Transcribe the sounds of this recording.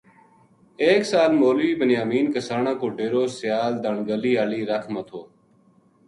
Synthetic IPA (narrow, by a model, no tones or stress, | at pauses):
eːksaːlmoːlʋiːbənjaːmiːnkəsaːɳãːkoːɖeːɾoːsɪjaːld̪əɳɡəliːaːliːɾəkʰmət̪ʰoː